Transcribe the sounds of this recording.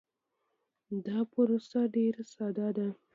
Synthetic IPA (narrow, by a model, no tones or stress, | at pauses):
d̪ɑpəɾosaɖeɾsɑd̪ɑd̪a